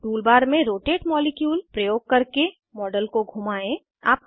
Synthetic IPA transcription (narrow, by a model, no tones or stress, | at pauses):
ʈuːlbaːɾmẽɾoːʈeːʈmɔːlɪkjuːlpɾəjoːɡ̚kɐɾke | mɔːɖəlkoɡʱumaːẽ | a̰ːp̚